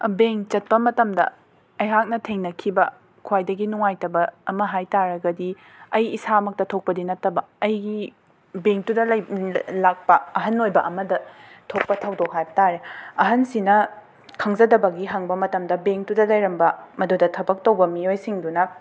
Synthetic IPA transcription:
beŋt͡ʃɐt̚pɐmɐtɐmdɐ̰ | ɐjɦak̚nɐtʰeŋnɐkʰibɐ | kʰuwajdɐɡinuŋajtɐbɐːmɐɦajtaɾɐɡɐdi | ɐjisaɐmɐk̚tɐtʰok̚pɐdinɐtːɐbɐːjɡi | beŋtudɐljlak̚pɐɐɦɐnojbɐʔɐmɐdɐtʰok̚pɐtʰɐwdok̚hajbɐtaɾeɐɦɐnsinɐ | kʰɐŋzɐdɐbɐɡiɦɐŋbɐmɐtɐmdɐbeŋtudɐlɐjɾɐmbɐmɐdodɐtʰɐbɐk̚tɐwbɐmiojsiŋdunɐ

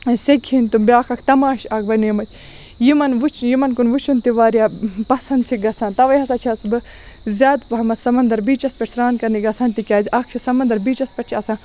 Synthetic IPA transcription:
sekʲhinʲt̪umbʲjaːxɐkʰt̪ɐmaːʃaːk̚bɐneːmɐt͡ʃʲʰ | jimɐnʋut͡ʃʰjimɐnkunʋut͡ʃʰunt̪iʋaːɾjaːpɐsɐnd̪t͡ʃʰiɡɐt͡sʰãːnt̪ɐʋɐjɦɐsaːt͡ʃʰiɐsbɨ | zʲaːd̪pɐɦɐmɐt̪sɐmɐnd̪ɐɾbiːt͡ʃɐspʲɐʈʰʲsɾaːnkɐniɡɐt͡sʰaːnt̪ikʲaːzʲʔak̚ʰt͡ʃʰisɐmɐnd̪ɐɾbiːt͡ʃɐspʲɐʈ̚ʰt͡ʃʰiɐsãː

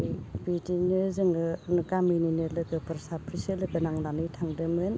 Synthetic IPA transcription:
bitinɯzɯŋɯnkamininɯlɯkɯpɯɾsapʰɾisɯlɯkɯnaŋnanɯtʰaŋdɯmɯn

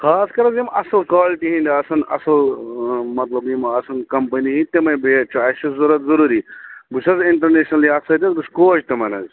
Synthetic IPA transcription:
xaːskɐɾɐzimʔɐ̰sɐlkwaːliʈiɦĩnd̪ʲiɐsɐnɐ̰sɐl | mɐt̪lɐbjimɐsɐnkɐmpɐniɦĩt̪emɐbet͡ʃʰːʃɐzuɾɐt̪zɐɾuːɾibusɐziɳʈɐɾneːʃnɐliɐsɐt̪ʲɐzbuskoːt͡ʃt̪ɐmɐnɐz

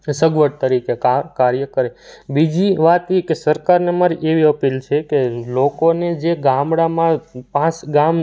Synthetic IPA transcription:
səɡʋəʈ̚t̪əɾikekakaɾjəkəɾebid͡ʒiʋat̪ikesəɾkaɾnemaɾiʔeʋiəpilt͡ʃʰekelokoned͡ʒeɡamɽamãpãt͡ʃɡam

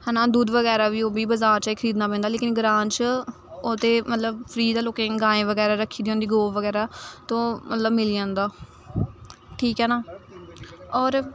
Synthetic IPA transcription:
hɛːnãːd̪uːd̪ʋəɡɛːɾaːʋiːoːbiːbəzaːɾt͡ʃaːiːkʰəɾiːd̪naːpɛ̃ːnd̪aːleːkɪnɡɾãːnt͡ʃ | oːt̪eːmət̪ləbpʰɾiːd̪aːloːkẽːɡãːẽːʋəɡɛːɾaːɾəkʰːiːd̪iːõːnd̪iːɡoːʋəɡɛːɾaːt̪õːmə̰t̪ləbmɪliːãːnd̪aː | ʈʰiːkɦɛːnaː | ɔːɾ

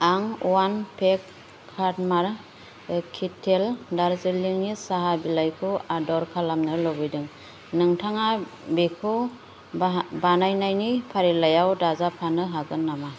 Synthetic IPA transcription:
aŋuwanpʰekʰː | at̚maɾ | kʰitʰeldaɾzɯliŋnisaɦabilajkʰɯwadɔɾkʰalamnɯlɔbɯjdɯŋ | nɯŋtʰaŋabikʰɯ | banajnajnipʰaɾilajawdazapʰanɯɦaɡɯnːama

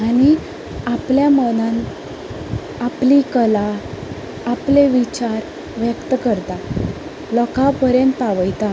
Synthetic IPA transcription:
aɽ̃i | apljamənãn | aplikəlaː | pleʋit͡ɕaɾ | ʋjəkt̪əkəɾt̪a | lɔkapəɾjənt̪ːaʋəjt̪a

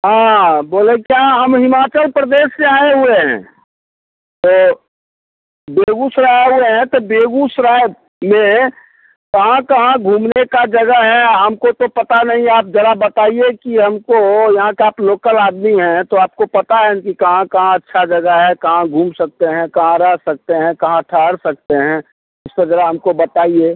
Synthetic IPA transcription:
ɦãːboːlẽkijaɦɐmɦɪmaːt͡ʃəlpɾəd̪eːʃsẽaːeɦʊeɦɛ̰̃ː | t̪oː | beːɡusɾaːɦʊeɦɛ̃t̪obeːɡusɾaːj | mẽ | kɐɦãkɐɦãɡʱuːmnekad͡ʒɐɡəɦɛɦəmkot̪opɐt̪anɐɦĩaːp̚d͡ʒɐɾabɐt̪aːiekiɦɐmkojɐɦãkeaːploːkəlaːd̪miɦɛ̃t̪oaːp̚kopɐt̪aɦɛkikɐɦãkɐɦãɐtːʃʰad͡ʒɐɡəɦɛkɐɦãɡʱuːmsɐk̚t̪eɦɛ̃kɐɦãɾəɦsɐk̚t̪eɦɛ̃kɐɦãʈʰaːɽsɐk̚t̪eɦɛ̃ː | ɪspɐɾzɐɾaɦɐmkobɐt̪aːieː

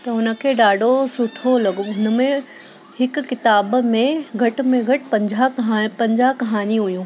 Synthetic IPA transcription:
t̪ɐɦʊnə̆kʰeːɗaːɖʱosʊʈʰolɐɠoɦʊnə̆mẽ | hɪkʊkɪt̪aːbmẽɡʱɐʈ̆mẽɡʱɐʈɪ̆pɐ̃ɲd͡ʑʱapɐ̃ɲd͡ʑakɐɦaːniɦʊijũː

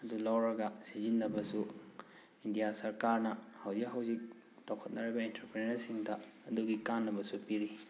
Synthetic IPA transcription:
ɐdulawɾɐɡɐsizinːɐbɐsu | indijasɐɾkaɾnɐhawzikɦawzik̚ | tawkʰɐt̚nɐɾibɐintɐɾpɾenɐɾsiŋdɐːduɡikanːɐbɐsupiɾi

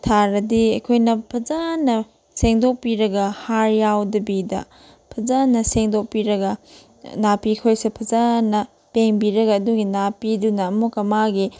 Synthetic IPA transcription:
tʰaɾɐdiɐjkʰojnɐpʰɐzanɐ | seŋdok̚piɾɐɡɐhaɾjawdɐbidɐ̰ | pʰɐzanɐseŋdok̚piɾɐɡɐ | napikʰojsepʰɐzanɐ | peŋbiɾɐɡɐːduɡinapidunɐːmokɐmaɡi

